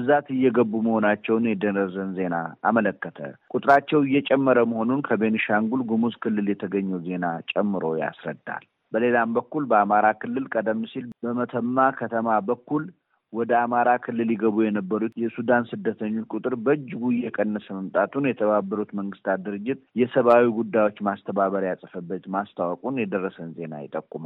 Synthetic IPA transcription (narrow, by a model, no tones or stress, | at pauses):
zat̪ɨjːɛɡəbːuməho̞nat͡ʃːɛwnjɛd̪ənəzənze̞na̰ːmələkːət̪ʰə̰kʼut̪ʼɨɾat͡ʃːɛwɪjːɛt͡ʃʼɛmːəɾəməho̞nunkʰəbenʃaŋɡulɡumuzkʰɨlːɨljɛt̪ʰəɡəɲːɛwze̞nat͡ʃʼɛmːɨɾo̞ja̰sɾə̰d̪ːa̰l | bəle̞lambəkːulbəamaɾakʰɨlːɨlkʼəd̪əmːɨsilbəmət̪ʰəmːakʰət̪ʰəmabəkːul | wɔd̪əamaɾakʰɨlːɨljɪɡəβujɛnəbːəɾut̪jɛsud̪ansɨd̪ːət̪ʰəɲːokʼut̪ʼɨɾbəd͡ʒːɪɡujɛkʼənːəsəməmt̪ʼat̪ʰunjɛt̪ʰəβabːəɾut̪məŋɡɨst̪ʰat̪̚d̪ɨɾɨd͡ʒːɪt̪jɛsəβawiɡud̪ːajwo̞t͡ʃːmast̪ʰəβaβəɾjasʼəfəbːət̪mast̪ʰawɔkʼunjɛd̪ərːəsənze̞na̰jɪt̪ʼəkʼːuma